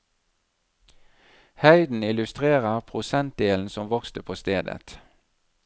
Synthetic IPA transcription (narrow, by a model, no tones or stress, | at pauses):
hæɪd̪n̩ɪlʉst̪ʁeːʁəʁpʰʁʊsɛnt̪̚d̪eːln̩sɔmʋɔkst̪əpʰoːst̪eːd̪ə̰t̪